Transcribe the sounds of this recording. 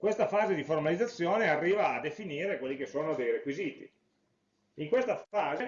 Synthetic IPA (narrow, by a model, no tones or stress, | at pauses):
kwest̪afaːzed̪iformalid̪zat̪sːjoːnearːiːvaːd̪ːefiniːɾekwelːikesːoːnod̪ejɾekwiziːt̪ḭ | iŋkwest̪afaːze